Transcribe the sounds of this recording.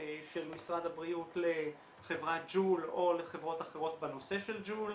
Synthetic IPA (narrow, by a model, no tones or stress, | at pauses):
ʃelmisʁad̪habʁiutle | χe̞vʁat̚d͡ʒulo̞leχe̞vʁo̞taχeʁo̞tbano̞se̞ʃe̞ld͡ʒul